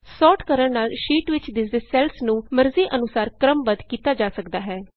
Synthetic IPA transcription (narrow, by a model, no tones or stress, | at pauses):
sɔːʈkəɾəɳnaːlʃiːʈʋɪt͡ʃd̪ɪsd̪esɛːlsnũːməɾziːʔənʊsaːɾkɾəmʋəd̪kiːt̪aːd͡ʒaːsəkd̪aːɦɛː